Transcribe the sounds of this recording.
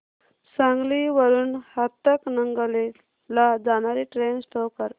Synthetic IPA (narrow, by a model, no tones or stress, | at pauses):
sãŋɡliʋəɾuːnhat̪ːəknəŋɡəle | lad͡zañaɾiʈɾensʈʰokəɾ